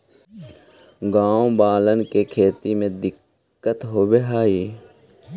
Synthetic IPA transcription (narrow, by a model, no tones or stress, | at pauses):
ɡaːõbaːlənkekʰeːt̪imẽd̪ɪkː | ət̪ɦoːbeɦaːiː